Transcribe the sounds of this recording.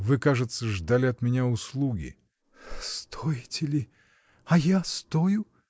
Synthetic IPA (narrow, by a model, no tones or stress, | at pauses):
vɨkaʐɨt̪səʐd̪alʲɪɐt̪mʲɪnʲaʊslˠuɡʲɪ̰ | st̪ʰojɪtʲɪlʲɪ | ɐjast̪ojʊ